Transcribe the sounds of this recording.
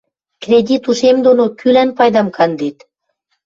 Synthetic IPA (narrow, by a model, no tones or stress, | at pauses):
krʲedʲit̪uʃemd̪onokʰylænpɑjd̪ɑmkʰɑnd̪et̪